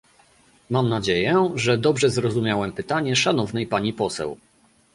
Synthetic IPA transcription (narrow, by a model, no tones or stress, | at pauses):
mamnad͡ʑejɛʐɛd̪ɔbʐɛzɾɔzumʲjawɛmpɘt̪aɲɛʂanɔvnɛjpaɲipɔsɛ̰w